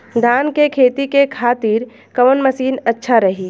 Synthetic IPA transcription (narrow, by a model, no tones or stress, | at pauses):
d̪ʱaːnkekʰeːt̪ikekʰaːt̪iːɾ | kɐʋənmɐsiːnɐtːʃʰaɾɐɦiː